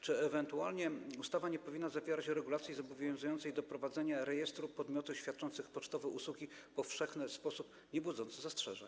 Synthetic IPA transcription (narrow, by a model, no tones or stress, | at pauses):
t͡ʂɘɛvɛnt̪ualɲɛust̪avaɲɛpɔvʲinːazavʲjɛɾat͡ɕɾɛɡulat̪sʲjizɔbɔvʲjɔ̃w̃zujɔnt̪sɛjd̪ɔpɾɔvad̪zɛɲaɾɛjɛst̪ɾupɔd̪mʲjɔt̪uɕfʲjat̪̚t͡ʂɔnt̪sɘxpɔt͡ʂt̪ɔvɛʔuswuɡʲipɔfʂɛxnɘspɔsup | ɲɛbwud̪zɔnt̪sɨzastʂɛ̰ʐɛ̰ɲ